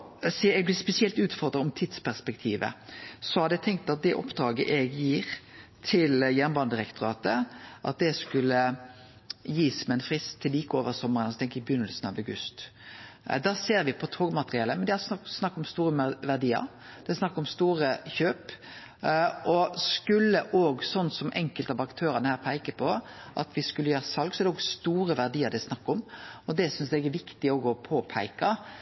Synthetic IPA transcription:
siɛɡ̚blɪːspɛsɪɛlt̪ʉːt̪fɔʁd̪ʁəɔmt̪ʰid̪spʰæʁspɛkt̪ʰiːʋə̰sɔhɑd̪ɛt̪ʰɛŋk̚t̪ɑt̪̚d̪ɛʔɔ̰pd̪ɾɑːɡəʔɛɡjiːɾt̪ʰɪljænbɑnd̪əʁɛkt̪ʊɾɑːt̪əʔɑ̰t̪̚d̪ɛskʉlːə | jiːsmɛɛnfʁɪst̪ʰːɪliːkəoːʋəʁsɔmːəʁənɔsɔt̪ʰɛŋkɪbəjʏnəlsənɑ̰ʋɑʉɡʉst̪ | d̪ɑːseːɾʋɪpʰɔt̪ʰoːɡəmɑt̪əɾɪɛləmɛnd̪ɪhɑssnɑkːɔmst̪uːɾəʋæʁd̪iːə̰ɾ | d̪̥ɛɛsnɑkːɔmst̪uːɾəçøːp | ʔɔskʉlːəʔoːɡsɔnːsɔmʔɛ̰ŋkəlt̪ɑʋɑkt̪ʰøːɾənəhæːʁpʰæɪkəpʰɔ | ʔɑ̰t̪ʋɪskʉləjøːɾəsɑlɡsɔɛɾd̪ɛɔːɡst̪uːɾəʋæʁd̪iːəɾd̪ɪsnɑkːɔmɔd̪ɛsʏnsd̪æɪɡæʋɪkt̪ɪoːɡɔpʰoːpʰæɪkɑ

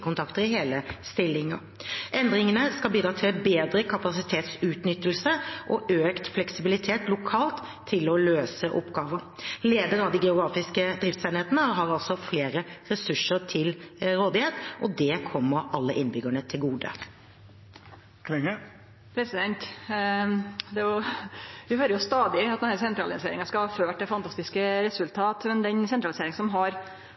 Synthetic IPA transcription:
kʊnt̪ʰɑkt̪əɾɪɦeːləst̪ɪlːɪŋəɾ | ʔɛnd̪ɾɪŋənəskɑlbiːd̪ɾɑːt̪ʰɪbeːd̪ɾəkʰɑpɑsɪt̪ʰeːt̪sʉːt̪nʏt̪ːəlsəʔɔʔøːkt̪flɛksɪbɪlɪt̪ʰeːt̪lʊkʰɑːlt̪ʰːɪlɔløːsəʔɔ̰pɡɑːʋəɾleːd̪əɾɑʋd̪iɡɛʊɡɾɑːfɪskəd̪ɾɪft̪seːnheːt̪ənəɦɑɾɑlt̪sɔfleːɾəɾɛsʉʂəɾt̪ʰɪlɾoːd̪ɪheːt̪ʔɔd̪ɛkʰɔmːəɾɑlːəʔɪnbʏɡəɳət̪ʰɪlɡuːd̪ə̰ | kʰɛŋə | pʰɾɛsɪd̪ɛnt̪ | d̪ɛjʊʋɪhøːɾəjʊst̪ɑːd̪ɪt̪d̪næːɾsɛnt̪ɾɑ̰ːlɪnsḛːɾɪŋɑskɑhɑføːʈ̚d̪ɛfɑnt̪ʰɑst̪ɪskəɾɛsʉlt̪ʰɑːt̪mɛnd̪ɛnsɛnt̪ɾɑlɪseːɾɪŋsɔmɦɑɾ

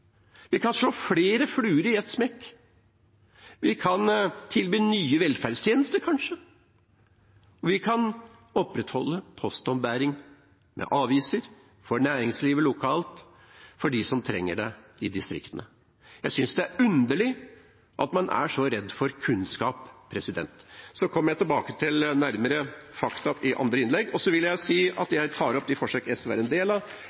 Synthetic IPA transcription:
ʋɪkʰɑnʂɭoːfleːɾəflʉːɾəɪɛt̪smɛkː | ʋɪkʰɑnt̪ʰɪlbiːnyːəʋɛlfæɖst̪ʰjeːnəst̪əɾkʰɑnʂə | ɔʋɪkʰɑn | ɔpɾɛt̪hɔlːəpʰɔst̪ɔmbæːɾɪŋ | mɛ̰ʔɑːʋiːsəɾ | fɔɳæːɾɪŋsliːʋəlʊkʰɑːlt̪ | fɔɖɪsɔmt̪ʰɾɛŋːəɖɛɪd̪ɪst̪ɾɪ̰kt̪ənə | jæɪsʏnsd̪ɛæɾʉnd̪əɭɪ | ʔɑt̪mɑnʔæ̰ʂɔɾɛd̪ːfɔɾkʰʉnskɑːpʰːɾɛsɪd̪ɛ̰nt̪sɔkʰɔmːəɾjæɪt̪ɪlbɑːkət̪ʰɪlnæɾməɾəfɑkt̪ɑpɪʔɑ̰nd̪ɾəɪnlɛɡːɔsɔʋɪlːəjæɪsiːɑ̰t̪jæɪt̪ʰɑːɾɔp̚d̪ɪfɔʂøkɛsʋæ̰ɾɛnd̪eːlɑ

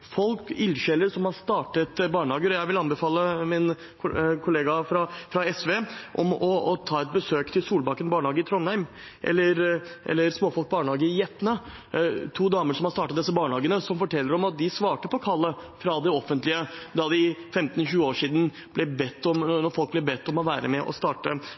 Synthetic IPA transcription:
fɔlkɪlɕɛlːəɾsɔmhɑɾst̪ɑːʈət̪bɑːɳɑːɡəɾɔjæɪʋɪlɑnbəfɑːlːəmɪn | kʰʊleːɡɑfɾɑfɾɑɛsʋeʔɔ̰mɔɔt̪ʰɑːɛt̪̚bəsøːkt̪ʰɪlsuːlbɑkːənbɑːɳhɑːɡəɾɪt̪ʰɾɔnhæɪm | ʔɛ̰lːəɾʔɛ̰lːəɾsmoːfɔlk̚bɑːɳhɑːɡəjɛt̪ːənə | t̪ʰuːd̪ɑːməʂɔmhɑst̪ɑːʈɑt̪̚d̪ɛsːəbɑːɳhɑːɡənəsɔmfɔʈʰɛlːəɾɔmɑt̪̚d̪ɪsʋɑːʈəpʰɔkʰɑlːəfɾɑd̪ɛɔfːənt̪lɪəd̪ɑd̪ɪfɛmt̪n̩ɕʉːəoːʂiːd̪n̩ | b̥lɛbɛt̪ːɔmnɔɾfɔlk̚blɛbɛt̪ːɔmɔʋæːɾə̰mɛʔɔ̰st̪ɑːʈə

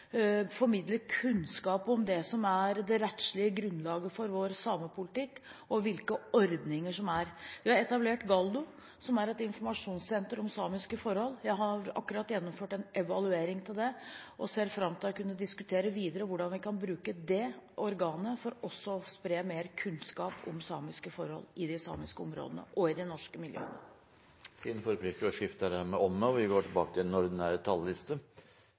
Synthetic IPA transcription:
fɔɾmɪd̪ləkʰʉnskɑːpɔmd̪ɛsɔmæɾd̪ɛɾɛt̪ʂɭɪəɡɾʉnːlɑːɡəfɔɾʋoːɾsɑːməpʰʊlɪt̪ɪkːɔʋɪlkəɔɾd̪nɪŋəʂɔmæɾʋɪhɑɾɛt̪ɑbleːʈɡɑld̪ʊ | sɔmæɾɛt̪ɪnfɔɾmɑʂuːnssɛnt̪əɾɔmsɑːmɪskəfɔɾhɔlːjæɪɦɑɾɑ̰kːʉɾɑt̪ːjɛnːɔmføːʈɛnʔɛʋɑlʉeːɾɪŋt̪ʰɪld̪ɛʔɔseːɾfɾɑmt̪ʰɪlɑkʰʉnːəd̪ɪskʉt̪ʰeːɾəʋiːd̪əɾəʋʊɖɑnʋɪkʰɑnbɾʉːkəd̪ɛɔɾɡɑːnəfɔɾɔsːɔspɾeːmeːɾkʰʉnskɑːpʰɔ̰msɑ̰ːmɪskəfɔɾhɔ̰lːɪd̪ɪsɑ̰ːmɪskəɔmɾo̰ːd̪ənə̰ʔɔɪd̪ɪnɔʂkəmɪljø̰ːə̰nə | fiːnfɔɾəpʰlɪkːəɔʂɪft̪əəɾæmɛɔmnəːʋɪɡoːʈʰɪlbɑːkət̪ʰɪɛnɔɾd̪næːɾt̪ʰɑllɪst̪ə

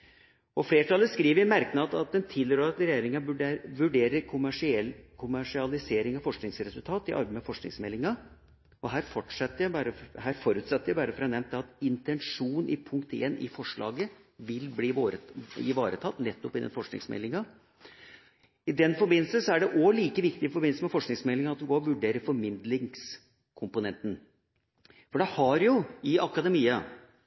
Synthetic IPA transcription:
ɔfleːʈʰɑləskɾiːʋəɾmæɾknɑt̪ɑt̪̚d̪ɛnt̪ʰɪløɾːɾɑt̪ɾɛjeːɾɪŋɑʉɖʋʉɖeːɾəɾkʰʊmʂɪkʰʊmæʂɪɑlɪseːɾɪŋɑfɔʂknɪŋsɾɛsʉlt̪ʰɑːt̪ɪʔɑ̰lbəməfɔʂknɪ̰ŋsmɛlːɪŋɑ | ɔɦæːɾfɔʈʂɛt̪ːəjæbɑːɾəɦæːɾfɔɾʉːt̪sɛt̪ːəɾjæɪbɑːɾəfɔɾɑnɛmn̚d̪ɛɑt̪ɪnt̪ɛnʂuːn̩ʔɪpʰʉŋkt̪eːnɪ̰fɔʂɭɑ̰ːɡəʋɪlbliːɾɪ̰ʋɑːɾət̪ʰɑt̪ːnɛt̪ːɔpɪd̪ɛ̰nfɔʂknɪ̰ŋsmɛ̰lːɪŋɑ | ɪd̪ɛnfɔɾbɪnl̩səsɔæɖɛʔoliːkəʋɪkt̪ɪɪfɔɾbɪnl̩səmɛfɔʂknɪŋsmɛlːɪŋɑɑt̪ʋɪɡoːɾɔʋʉɖeːɾəɾfɔɾmɪnd̪lɪŋs | kʰʊmpʊnɛnt̪ən | fɔɖɛhɑɾjʊɪɑkɑd̪ɛmiːɑ

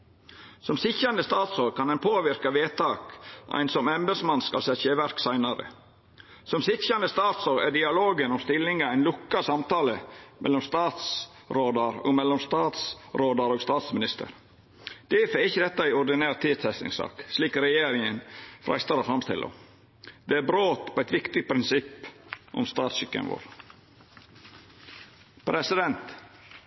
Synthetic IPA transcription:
sɔmsɪçɑnd̪əst̪ɑːt̪soːɾkʰɑnɛnpʰoːʋɪɾkɑʋeːt̪ɑːkʔæ̰ɪnsɔmɛmbəsmɑnskɑ̰lsɛçeːʋæɾksæɪnɑɾə̰ | sɔmsɪçɑnd̪əst̪ɑːt̪soːɾæ̰ɖɪɑloːɡənɔmst̪ɪlːɪŋɑæɪnlʊkːɑsɑmt̪ɑːləmɛ̰lːɔmst̪ɑːt̪s | ɾoːd̪ɑɾo̰ɔ̰ɡmɛlːɔmst̪ɑːt̪sɾoːd̪ɑɾoːɡst̪ɑːt̪smɪnɪst̪ə̰ɾ | d̪̥ɛːfəɪçːəd̪ɛt̪ːɑɪʊɾd̪ɪnæːɾt̪ʰiːd̪t̪ʰɛst̪ɪ̰ŋsɑ̰ːksliːkɾɛjeːɾɪŋənfɾʔæ̰st̪ɑɾoːfɾɑmst̪ɪ̰lʔo̰ | d̪̥ɛæːbɾoːt̪pʰoːæɪt̪ʋɪkt̪ɪpʰɾɪnsɪpːʔɔ̰mst̪ɑːt̪sʏkːə̰nʋo̰ːɾ | pʰɾɛsɪd̪ɛnt̪

